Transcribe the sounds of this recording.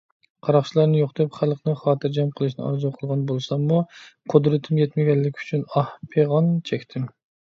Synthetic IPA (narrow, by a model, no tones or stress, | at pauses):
qʰɑɾɑχt͡ʃʰilˠɑɾnɨjoχd̪ɪpχælˠqnɨχɑːt̪ʰɨɾd͡ʒɛmqʰəlˠɨʃ̬nɨ̰ɑ̰ɾzuqʰəlˠʁɑnbolˠɨsɑmːuqʰod̪ɾɨt̪ʰɪmjɛt̪mɪɡʲɛlːɪkʲʰy̥t͡ʃʰynɑhpʰeʁɑnt͡ʃʰɛkʲt̪ʰɪm